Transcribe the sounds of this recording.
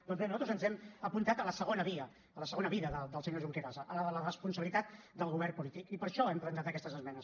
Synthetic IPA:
d̪ɔnzβenuzat̪ɾuzənzɛməpunt̪at̪ələsəɣ̞onəβiəː | ləsəɣonəβiðəðəd̪əlˠsəɲoɾʒuŋkeɾazəʔələələrəspunsəβilit̪at̪̚d̪əlˠɣuβ̞ɛrpulit̪ikipəɾʃɔɛmplənt̪at̪əkɛst̪əzəzmɛnəs

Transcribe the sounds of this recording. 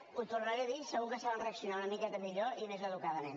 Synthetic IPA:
ut̪urnəɾeðisəɣukəsaβanreəksiunaunəmikɛt̪əmiʎoʔimezəðukaðəmen

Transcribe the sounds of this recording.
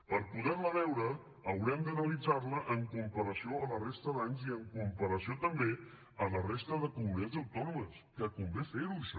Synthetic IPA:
pəɾpuðɛləβɛwɾəː | wɾɛmd̪ənəlid͡zaɾləʔəŋkumpəɾəsioələrest̪əðaɲziəŋkumpəɾəsiot̪əmbe | ələrest̪əðəkumuniazəwt̪ɔnuməskəkumbefeɾuʃ

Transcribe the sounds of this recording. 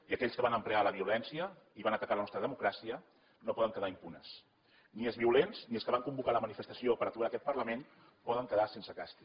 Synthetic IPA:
iəkɛʎskəβanəmplealəβiulɛnsiə | iβanət̪əkalənɔst̪ɾəðəmukɾasiə | nopɔðəŋkəðaimpunəs | niəlˠzβiulenzniəlskəβaŋkumbukaləmənifəst̪əsiopəɾət̪uakɛt̪pəɾləmen | pɔðəŋkəðasensəkast̪i

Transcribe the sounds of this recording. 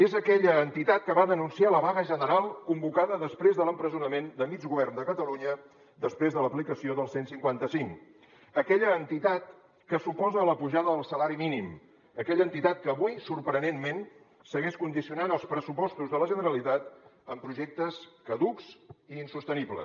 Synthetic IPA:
ezəkɛʎəːnt̪it̪at̪̚kəβaðənunsialəβaɣəʒənəɾalˠkumbukaðəðəspɾezðələmpɾəzunəmend̪əmid͡ʒɣuβɛrnd̪əkət̪əluɲə | d̪əspɾezðələplikəsioðəlˠsensiŋkwant̪əsiŋ | əkɛʎəːnt̪it̪at̪̚ | kəsupɔzəːləpuʒaðəðəlˠsəlaɾiminim | əkɛʎəːnt̪it̪at̪̚kəːβuisuɾpɾənemmen | səɣɛʃkund̪isiunanəlˠspɾəsupɔst̪uzðələʒənəɾəlit̪at̪əmpɾuʒɛk̚t̪əskəðuksiːnsust̪əniβlə̰

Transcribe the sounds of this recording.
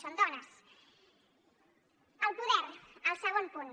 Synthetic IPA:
sond̪ɔnɐs | əlˠpuðɛɾəlˠsəɣonpun

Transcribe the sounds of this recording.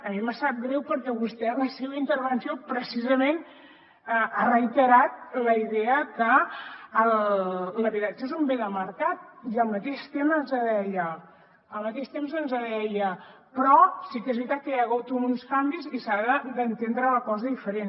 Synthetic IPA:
əmiməsat̪̚ɡɾɛwpəɾkɛβust̪ɛləseβəint̪əɾβənsiopɾəsizəmen | əʔarəjt̪əɾat̪̚ləiðeəkəː | lləβiðasezumbeðəməɾkat̪̚iəlˠmət̪eʃt̪emənzəðɛjə | əlˠmət̪eʃt̪emzənzəðɛjə | pɾɔsikɛzβɾit̪at̪̚kəjaɣot̪uunskambilˠzisaɣəd̪ənt̪end̪ɾələkɔzəðifəɾen

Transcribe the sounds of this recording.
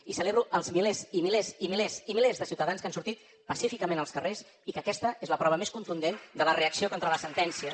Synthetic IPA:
isəleβɾuʔəlˠzmilezimilezimilezimilezðəsiuwt̪əðanskansuɾt̪it̪ | pəsifikəmẽnəlˠskəres | ikəkɛst̪əezləpɾɔβ̞əmeskunt̪und̪end̪ələreəksiokont̪ɾələsənt̪ɛnsiə

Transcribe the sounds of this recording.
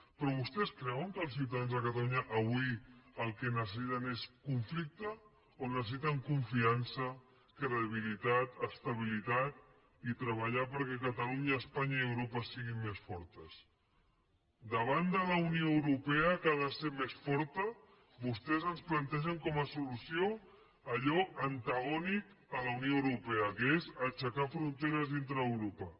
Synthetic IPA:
pɾɔβ̞ust̪ɛskɾɛwəŋkəlˠssiwt̪aðanzðəkət̪aluɲəʔɐβuiəlˠkenəs̬əsit̪əneskuɱflik̚t̪ə | onəsəsit̪əŋkuɱfiansə | kɾeβilit̪at̪əst̪əβ̞ilit̪at̪̚ | it̪ɾəβ̞əʎapəɾkɛkət̪aluɲaːspaɲaiəwɾopəsiɣimmesfɔɾt̪əs | d̪əβ̞and̪ələunioəwɾupɛəkaðəseɾmesfɔɾt̪ə | βust̪ɛzənsplant̪ɛʒəŋkɔməsulusijo | əʎɔənt̪aɣɔnik | ələunioəwɾupɛəkezət͡ʃəkafɾunt̪eɾəzðint̪ɾəːwɾopə

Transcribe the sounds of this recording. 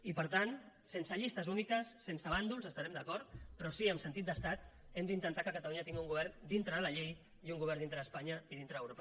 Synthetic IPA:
ipəɾt̪an | sensəʎist̪əzunikəsːensəβ̞and̪ulˠzəst̪aɾɛmd̪əkɔɾt̪pɾɔsiəmsənt̪it̪d̪əst̪at̪ | ɛmd̪int̪ənt̪akəkət̪aluɲət̪iŋɡiuŋɡuβ̞ɛɾnd̪int̪ɾəðələʎej | iuŋɡuβɛɾnd̪int̪ɾəəspaɲəiðint̪ɾəəwɾopə

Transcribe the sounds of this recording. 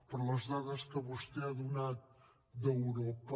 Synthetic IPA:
poɾlɐʒðaðɐʃkɐβoʃt̪eɐðunaðu | ðɐwɾɔpɐ

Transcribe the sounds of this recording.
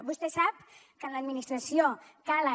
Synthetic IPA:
bust̪esap̚ | kənləd̪minist̪ɾasiokala

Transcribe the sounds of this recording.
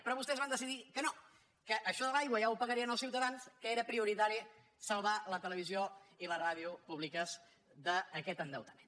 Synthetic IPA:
pɾɔβust̪ɛzβand̪əsiðikəno | kəʔəʃɔðəlajɣwəʒaupəɣəɾiənəlˠsiwt̪əðanskəeɾəpɾiuɾit̪aɾi | səlˠβalət̪ələβizioiləraðiupuβlikəz | d̪əːkɛt̪ənd̪ə̰wt̪əmen

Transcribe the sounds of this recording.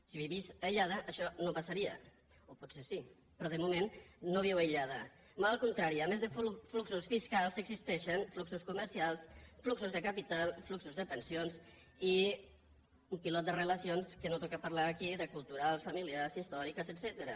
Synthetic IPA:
siβiβizajʎaðəʔːʃɔnopasaɾiə̰ | opusesi | pɾɔð̞əmumenːoβ̞iwajʎað̞ə | malalˠkunt̪ɾaɾiəmezðəffluksusfiskalˠzəɡzist̪ɛʃənfluksuskuməɾsialˠsfluksuzðəkapit̪alˠfluksuzðəpənsions | i | umpilɔt̪̚d̪ərələsionskənot̪ɔkapaɾlaːkiðəkulˠt̪uɾalˠsfamiliaɾsist̪ɔɾikəsəsɛt̪əɾə

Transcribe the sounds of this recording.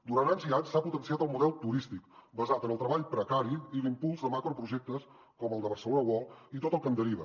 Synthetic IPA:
d̪uɾant̪aɲziaɲsːaput̪ənsiat̪əlˠmuðɛlˠt̪uɾist̪ikbəzat̪ənəlˠt̪ɾəβaʎpɾəkaɾiilimpulˠzðəmakɾopɾuʒɛk̚t̪əs | kɔməlˠd̪əβərsəlonəwɔlˠit̪ot̪əlˠkənd̪əɾiβə

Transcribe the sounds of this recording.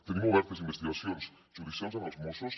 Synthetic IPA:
t̪enĩmoβɛɾt̪esĩmbest̪iɣasjõns | t͡ʃuɾisansanazmosos

